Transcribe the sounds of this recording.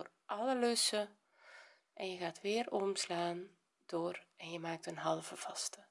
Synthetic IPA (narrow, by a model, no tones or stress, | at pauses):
or | ʔɑləløsə | ʔɛnjəɣaːtʋɪːrɔmslaːn | d̥oːrɛnjəmaːk̚tənɦɑlˠvəv̥ɑstə